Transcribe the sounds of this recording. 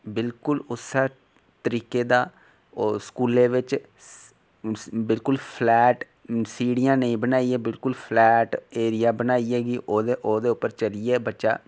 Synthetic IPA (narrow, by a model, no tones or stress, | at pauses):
bɪlkʊlʊsaː | t̪əɾiːkeːd̪aː | skuːleːʋɪt͡ʃ | bɪlkʊlpʰlɛːʈ | siːɽɪjãːnəĩːbənaːiɛːbɪlkʊlpʰlɛːʈeːɾɪjaːbənaːiɛːɡiʔoːd̪eʔoːd̪eːʊpːəɾt͡ʃəliɛːbətːʃa̰ː